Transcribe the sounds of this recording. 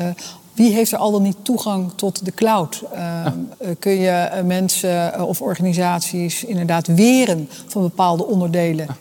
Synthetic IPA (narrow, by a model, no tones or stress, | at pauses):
ʋiɦejftəɹʔɑlˠdɑlˠnituχɑŋtɔtdəklawt | kɵnjəmɛnsəɔfɔɹχaːnizaːtsisɪndəɹdaːtʋɪːrən | fɑnbəpaːlˠdəɔndəɹdejlə